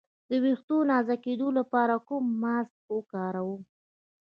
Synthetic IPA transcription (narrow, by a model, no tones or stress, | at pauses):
d̪əwext̪onɑzaked̪olapɑɾakʊmːask̚wəkɑɾawu